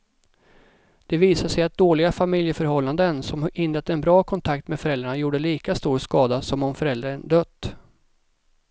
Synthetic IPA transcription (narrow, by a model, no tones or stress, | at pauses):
d̪̥ɛviːsaʂɛjat̪̚d̪oːlɪɡafamɪljəfœɾhɔlːand̪ənsɔmʔɪnːɾɛt̪ːəɛnbɾɑːkʰɔnt̪ʰak̚t̪mɛfœɾɛld̪ɾaɳajuːɖəliːkast̪uːɾʂkɑːd̪asɔmɔmfœɾɛld̪ɾaənd̪œt̪ː